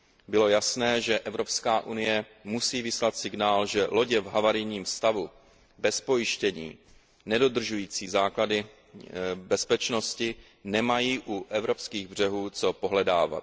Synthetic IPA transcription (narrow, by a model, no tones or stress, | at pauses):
bɪlo̞jasnɛːʒɛʔɛvɾo̞pskaːʔunɪjɛ | musiːvɪslat̪sɪɡnaːlʒɛlo̞ɟɛvɦavaɾɪjɲiːmst̪avu | bɛspo̞jɪʃcɛɲḭː | nɛdo̞d̪r̩ʒujiːt͡siːzaːkladɪ | bɛspɛt͡ʃno̞scɪ | nɛmajiːʔuʔɛvɾo̞pskiːɣbr̝ɛɦuːt͡so̞po̞ɦlɛda̰ːva̰t̪̚